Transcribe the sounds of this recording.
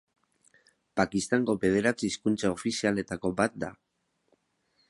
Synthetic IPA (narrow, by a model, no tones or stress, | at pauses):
pakist̪aŋɡo̞βe̞ð̞e̞ɾat͡siːskunt͡sao̞fisiale̞t̪ako̞bat̪̚d̪a